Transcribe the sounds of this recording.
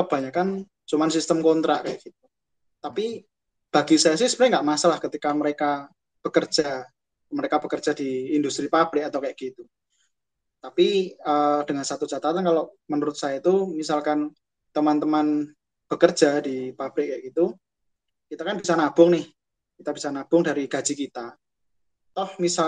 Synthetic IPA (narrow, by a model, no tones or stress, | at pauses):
əb̥a̤ɲakan | t͡ʃumansist̪əmkɔnt̪ɾa̰ʔkaja̰ʔɡ̥it̪̚u̥ | t̪api | b̥aɡisajasɪhsə̥pəɾɪŋɡaʔmasalahkət̪ikaməɾeka | b̥ə̤kər̥ʒ̥a | məɾekab̥əkərdd͡ʒ̥a̤d̥iːndust̪ɾipab̥ɾɪk̚at̪awkajaʔɡit̪u | t̪apiəd̥əŋansat̪u̥d͡ʒat̪at̪ankaloʔmənuɾʊt̪̚sajait̪umisalkan | t̪əmant̪əman | b̥əkərd̥d͡ʒ̥adipab̥ɾɪk̚kːaʔɡ̥it̪u | kit̪akanb̥isanab̥ʊŋnɪh | kit̪ab̥isanab̥ʊŋdaɾiɡ̥ḁd͡ʒ̥ikit̪a | t̪ɔhmisa